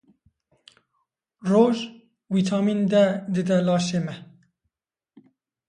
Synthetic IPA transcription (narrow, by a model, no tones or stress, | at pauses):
roːʒ | wiːt̪ʰɑːmind̪ɛd̪ɨd̪ɛlɑːʃeːmɛ